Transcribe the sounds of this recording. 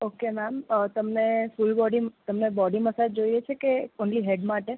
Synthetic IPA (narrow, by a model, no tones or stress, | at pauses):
okenamət̪əmnefulbɔɖimt̪əmnebɔɖiməsad͡ʒd͡ʒoiet͡ʃʰekeonliɦeɖmaʈe